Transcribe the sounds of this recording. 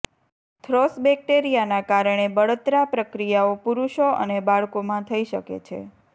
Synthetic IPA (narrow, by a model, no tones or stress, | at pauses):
t̪ʰɾɔsbɛk̚ʈeɾijanakaɾəɳ̃ebəɭət̪ɾapɾəkɾijaopuɾuʃoʔə̰nebaɭkomãt̪ʰəiʃəkḛt͡ʃʰḛ